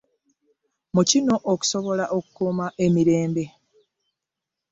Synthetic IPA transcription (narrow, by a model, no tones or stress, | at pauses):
mucino̞ʔoku̥so̞βo̞laʔo̞ku̥kuːmaʔe̞miɾe̞ːmbe̞